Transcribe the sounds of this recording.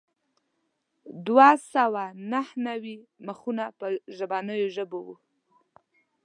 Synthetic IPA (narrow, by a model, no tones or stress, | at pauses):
d̪wasawanahnawiməxunapəʒəbɑnəjoʒəbowṵ